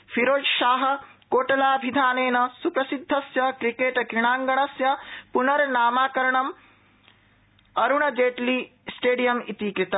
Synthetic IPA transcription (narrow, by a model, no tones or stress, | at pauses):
fʰiɾoːd͡ʒʃaːɦɐ̆ | koːʈɐlaːbʱid̪ʱaːneːnɐsupɾɐsid̪ʱːɐsjɐkɾikeːʈɡiɳ̃aːŋɡɐɳ̃ɐsjɐpunɐɾnaːmaːkɐɾɐɳɐm | ɐɾuɳ̃ɐd͡ʒeːʈliːsʈeːɖijɐmḭt̪iːkɾit̪ɐ